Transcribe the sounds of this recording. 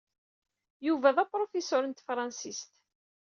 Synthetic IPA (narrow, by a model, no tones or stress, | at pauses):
juvæðæpɾˤofesʊɾənt̪fɾˤɑnsist̪